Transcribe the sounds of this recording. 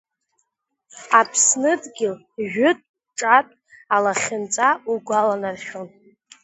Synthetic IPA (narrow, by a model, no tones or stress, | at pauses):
apʰsnɨdʼɡʲɪl | ʒᶣʊtʼ | ʈ͡ʂʼatʼ | alaχʲɪnt͡sʼauɡʷalanarχʲon